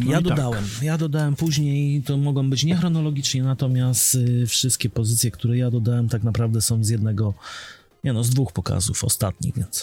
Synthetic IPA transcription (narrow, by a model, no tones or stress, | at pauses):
jad̪ɔd̪awɛmjad̪ɔd̪awɛmpuʑɲejt̪ɔmɔɡɔ̃w̃bɘt͡ɕɲɛxɾɔnɔlɔɡʲit͡ʂɲɛnat̪ɔmʲjast̪fʂɘst̪̚kʲɛpɔzɘt̪sʲjɛkt̪uɾɛjad̪ɔd̪awɛmt̪aknapɾavd̪ɛsɔ̃w̃zjɛd̪nɛɡɔ | ɲʔɛnɔzd̪vuxpɔka̰zufɔ̰st̪a̰t̪̚ɲḭɣvʲjɛnt̪s